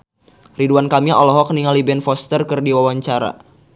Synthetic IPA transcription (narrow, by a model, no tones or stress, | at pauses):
riduankamiʔɔlɔɦɔk̚niŋalibɛnfɔst̪ərkɨrdiwawaɲt͡ʃaɾa̰